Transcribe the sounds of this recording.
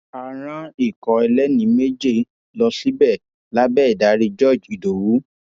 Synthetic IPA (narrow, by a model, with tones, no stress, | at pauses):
a˧ɾ̃ã˧i˦˨kɔ˨˦ɛ˧lɛ˦nĩ˧˦me˦d͡ʒe˦˨ | lɔ˧si˦bɛ˦˨ | la˨˦bɛː˦˨i˨da˨˦ɾi˧d͡ʒɔ˦˨d͡ʒi˨do˨wu˨˦